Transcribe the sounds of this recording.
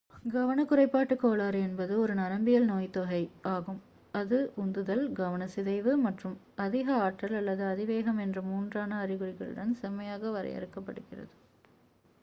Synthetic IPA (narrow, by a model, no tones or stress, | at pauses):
ɡɐʋɐnɐkʊrɐɪpːaːʈːɯkːoːɭaːɾɛnbɐðɯɔɾɯnɐɾɐmbɪjɐlnoːjt̪ɔɣɐɪaːɣɯm | ɐðɯʔʊnd̪ɯðɐlɡɐʋɐnɐsɪðɐɪʋɯmɐʈrɯm | ɐðɪɣɐaːʈrɐlɐlːɐðɯɐðɪʋeːɣɐmɛndrɐmuːndraːnɐːrɪɣɯɽɪɣɐɭɯ̰ɽɐnsɛmɐjaːɣɐʋɐɾɐ̰ɪjɐ̰ɾɯkːɐpːɐɽɯɣɪrɐ̰ðɯ